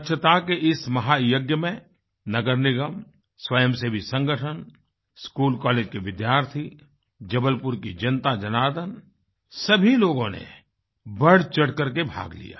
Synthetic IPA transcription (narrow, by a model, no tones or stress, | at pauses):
tːʃʰət̪akeʔɪsmɐɦajoɡjəmẽ | nɐɡəɾnɪɡəm | swəjəmsebʱisɐ̃ŋɡəʈʰən | skuːlkɔːleːd͡ʒkiʋɪd̪jaːɾt̪ʰi | d͡ʒɐbəlpʊɾkid͡ʒɐnt̪ad͡ʒɐnaːd̪ən | sɐbʱiloːɡõnḛ | bəɽ̤t͡ʃɐɽ̤kɐɾkebʱa̰ːɡlḭja̰ː